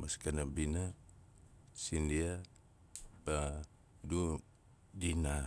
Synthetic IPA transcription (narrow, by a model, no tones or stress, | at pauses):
maskanabina | sindia | pa | du | dina